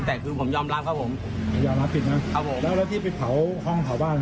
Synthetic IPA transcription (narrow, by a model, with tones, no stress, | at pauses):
t̪ɛː˨˩kʰɯː˧pʰo˨˩˦mjɔː˧mlaː˦˥kʰa˦˥p̚ʰo˨˩˦m˧˩ | jaː˨˩laː˦˥mpʰi˨˩t̪̚na˦˥kʰa˦˥p̚ʰo˨˦mlɛː˦˥wlɛː˦˥wt̪ʰiː˥˩pe˨˧˩pʰa˨˩˦whɔ˧˥˩ŋp̪ʰa˨˩˦wbaː˥˩n